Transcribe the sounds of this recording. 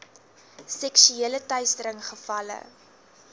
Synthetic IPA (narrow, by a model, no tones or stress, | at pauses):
sɛkʃyeələtœɥstəɾəŋχəfɐlə̰